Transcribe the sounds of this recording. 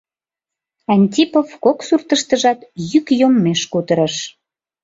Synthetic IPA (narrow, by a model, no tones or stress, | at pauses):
ɑnʲt̪ʲipovkoksurt̪əʃt̪əʒɑt̪jykjomːeʃkut̪əɾəʃ